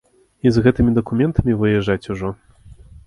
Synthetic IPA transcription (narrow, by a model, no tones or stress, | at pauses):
izɣɛt̪ɨmʲid̪ɐkumʲɛnt̪ʰɐmʲivɨjɛʐːat͡sʲuʐɔ